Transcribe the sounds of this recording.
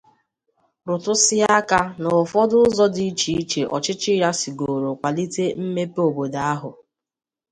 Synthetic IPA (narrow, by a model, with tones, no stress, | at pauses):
ɾʊ˨tʊ˦sɪ˦a˦ka˦nʊ˨fɔ˦dʊ˦zɔ˦di˦i˦t͡ʃi˨i˦t͡ʃe˨ʔɔ˨t͡ʃɪ˦t͡ʃɪ˦ɾa˦si˨ɡo˨ɾo˨kʷa˨li˦te˦m̩˦me˦po˨bo˨da˨˦a˦ɦʊ˨